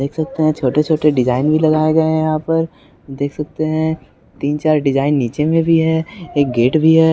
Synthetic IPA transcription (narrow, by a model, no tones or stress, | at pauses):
d̪eːkʰsɐk̚t̪eɦɛ̃t͡ʃʰoːʈet͡ʃʰoːʈeɖɪd͡ʒaːɪnbʱilɐɡaːeɡɐeɦjɐɦãpɐɾ | d̪eːkʰsɐk̚t̪eɦɛ̃ | t̪iːnt͡ʃaːɾɖɪd͡ʒaːɪnːiːt͡ʃemẽbʱiɦɛːeːk̚ɡeːʈbʱiɦɛː